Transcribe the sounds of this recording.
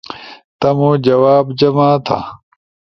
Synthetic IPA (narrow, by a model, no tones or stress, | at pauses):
t̪ɐmuːd͡ʑɐwaːbd͡ʑɐmaːt̪ʰa̰